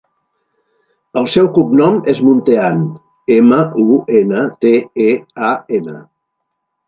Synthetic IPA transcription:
əlˠsɛwkup̚nɔmezmunt̪ean | eməuenət̪eeaenə

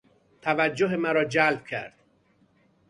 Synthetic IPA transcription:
t̪ʰævæd͡ʒːoɦemæɾɒːd͡ʒælb̚cʰæ̰ɾd̪̥̚

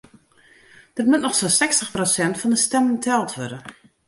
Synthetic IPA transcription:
d̥ɪt̚mʊtnɔxsonsɛkstəxprosɛntfɔndəstɛməntʰɛlˠtʰʋødən

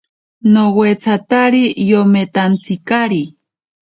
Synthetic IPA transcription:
nowet͡sʰat̪aɾijomet̪ant͡sikaɾi

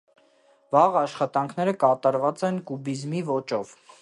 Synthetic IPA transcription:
vɑʁɑʃχɑt̪ɑŋkʰn̪ɛɾəkɑt̪ɑɾvɑt͡sɛnkubizmivɔt͡ʃɔv

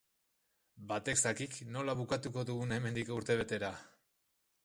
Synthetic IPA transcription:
bat̪eksakikno̞laβ̞ukat̪uko̞ðuɣune̞me̞nd̪ikouɾt̪e̞β̞e̞t̪e̞ɾa

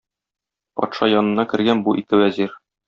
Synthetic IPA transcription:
pɒ̰t̪ʃɑjɒnɤ̆nːɑkɘ̆ɾɡænbuʔik̪ɘwæziɾ

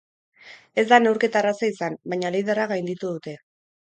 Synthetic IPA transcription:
e̞zd̪ane̞wɾke̞t̪aːrasaisanbaɲaleðeraɣajnd̪it̪uðut̪e̞

